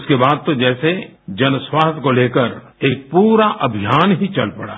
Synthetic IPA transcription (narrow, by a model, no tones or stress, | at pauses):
ʊskebaːd̪̚t̪od͡ʒɛːse | d͡ʒɐnswaːst̪ʰkoleːkəɾ | eːk̚puːɾaʔɐbʱijaːnɦit͡ʃɐ̰lpɐɽa̰ː